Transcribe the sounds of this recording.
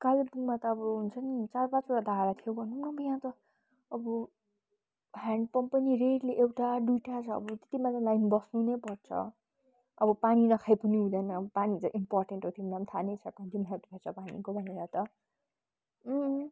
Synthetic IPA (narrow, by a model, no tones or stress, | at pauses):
kalepuŋmat̪ʌːbʌɦunt͡sʰʌnit͡sarpãt͡soʈad̪ʱaɾat̪ʰijobʱʌnuŋkabʌjãt̪ʌ | ʌbʌ | ɦaɳɖpʌmpʌniɾeɽleʔewʈaɖujʈat͡sʰʌ̰ːbʌt̪e̥t̪imat͡salajnbʌsnunepʌrt͡sʰʌ̰ | ʌbʌpaninʌkʰajpʌniɦũd̪ʌjnʌːbʌpanit͡sʌʔimpɔrʈeɳʈot̪ʰimd̪ʌmt̪ʰanet͡sʰʌkad̪inɦʰat̪upʰʌt͡sʰʌpanḭkobʱʌneɾat̪ʌ